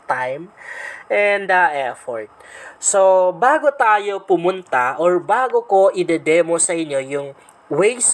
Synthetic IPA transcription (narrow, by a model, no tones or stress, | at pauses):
t̪ajm | ɛnd̪ɐʔɛfoɹt̪̚sobaːɡot̪aːjo̞pʊmʊnt̪aʔoɹbaːɡoko̞ʔɪd̪ɛd̪ɛmosɐʔɪnjo̞jʊŋ | wejs